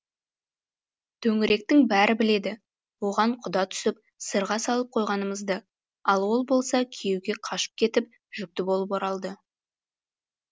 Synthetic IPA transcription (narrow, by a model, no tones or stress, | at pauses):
t̪ʰɵŋɪɾʔe̞k̚t̪ɪŋbæɾʔɪbɪle̞d̪ɪ | wo̞ʁɑɴqʰʊd̪ɑt̪ʰʏ̥sɪp | səɾʁɑsɑlˠəp̚qʰojʁɑnəməzd̪ə | ɑlˠwo̞lˠbo̞lˠsɑkʲʰejewɡʲe̞qʰɑʃə̥p̚kʲʰe̞t̪ɪp̚ | ʒʏk̚t̪ɪbo̞lˠəpoɾɑlˠd̪ə